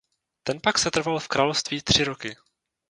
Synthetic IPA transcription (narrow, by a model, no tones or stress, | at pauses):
t̪ɛnpaksɛt̪r̩valfkɾaːlofst̪viːt̪r̝̥ɪɾokɪ